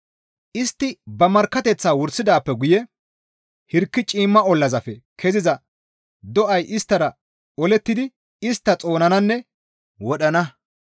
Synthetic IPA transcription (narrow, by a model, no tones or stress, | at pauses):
ʔɪst̪ːɪbɐmɐɾkːɐt̪ɛt͡sːaːwʊɾsːɪd̪aːpːɛɡʊjɛ | hɪɾkːɪt͡ʃʼiːmːɐɔlːɐzɐfɛkʰɛzɪzɐ | d̪ɔʔɐjʔɪst̪ːɐɾɐ | ɔlɛt̪ːɪd̪ɪ | ɪst̪ːɐt͡sʼo̞ːnɐnɐnːɛ | wɔɗɐnɐ